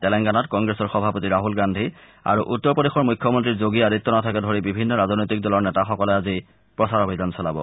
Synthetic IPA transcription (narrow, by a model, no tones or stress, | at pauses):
tɛlɛŋkanatkɔŋɡɹesɔɹxɔbʱapotiɹaɦulɡandʱi | a̰ɹuʔutːɔɹpɔdexɔɹmujkʰːjɔmɔntɹizoɡiaditːɔnatʰakɛdʱoɹibibʱinːɔɹaznojtik̚dɔlɔɹnɛtaxɔkɔlɛazi | pɹɔsaɹobʱidansɔlabɔ̰